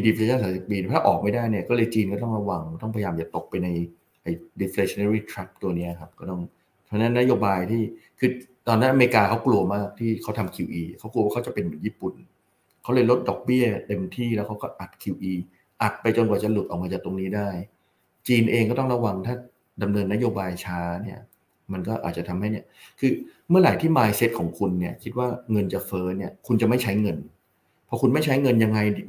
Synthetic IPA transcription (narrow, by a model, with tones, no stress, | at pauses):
mi˧di˧pʰe˧˦t͡ɕaː˥˩saː˨˦si˨˩p̚piː˧˥˩t̪ʰa˥˩ʔɔː˨˩k̚ma˥˩jdaː˥˩jni˥˩ɐkɔː˥˩lɤː˧jt͡ɕiː˧nkɔː˥˩t̪ɔ˥˩ŋɾa˧wa˧ŋ˩t̪ɔ˥˩ŋpʰa˧jjaː˧mt͡ɕa˨˩t̪o˨˩k̚pa˧jna˧j | ʔa˧jdi˧fle˧sʰi˧na˦˧ɾiː˥˩t̪ʰɾa˦˥p̚t̪u˧ɐni˦˥la˨˩kʰa˦˥p̚kɔː˥˩t̪ɔ˥˩ŋ | pʰaː˧˥˩na˦˥nːa˦˥joː˧baː˧jt̪ʰiː˥˩kʰɯː˧t̪ɔː˧nːa˦˥nʔme˧ɾi˧kaː˧kʰa˦˥wklu˧ɐmaː˥˩k̚t̪ʰiː˥˩kʰa˦˥wt̪ʰa˧mkʰi˧wʔiː˧kʰa˦˥wklu˧waː˥˩kʰwt͡ɕa˨˩pe˧nmɯː˩˦jiː˥˩pu˨˩n | kʰa˦˥wlɤː˧jlo˦˥t̪̚dɔ˨˩k̚bi˥˩ɐt̪e˧mt̪ʰiː˥˩lɛː˦˥wkʰa˦˥wkɔː˥˩ʔa˨˩t̪̚kʰi˧wʔiː˧ | ʔa˨˩t̪̚pa˧jt͡ɕo˧nkwaː˨˩t͡ɕa˨˩lu˨˩t̪ʔɔː˨˩k̚mːa˧t͡ɕaː˨˩k̚t̪o˧ŋniː˦˥daː˥˩j | t͡ɕiː˧nʔeː˧ŋkɔː˥˩t̪ɔ˥˩ŋɾa˧wa˧ŋt̪ʰaː˥˩ | da˧mnɤː˧nːa˦˥joː˧baː˧jt͡ɕʰaː˦˥ni˥˩ɐ | ma˧nkɔː˥˩ʔa̰˨˩t͡ɕa˨˩t̪ʰa˧mha˥˩jni˥˩ɐkʰɯː˧ | mɯ˥˩ɐlaː˩˦jt̪ʰiː˥˩maː˧jse˦˥t̪̚kʰɔː˩˦ŋkʰu˧nːi˥˩ɐkʰi˦˥t̪̚waː˥˩ŋɤ˧nt͡ɕa˨˩fɤː˦˥ni˥˩ɐkʰu˧nt͡ɕa˨˩ma˥˩jt͡ɕʰa˦˥jŋɤ˧n | pʰɔ˦˥kʰu˧nma˥˩jt͡ɕʰa˦˥jŋɤ˧nja˧ŋːa˧j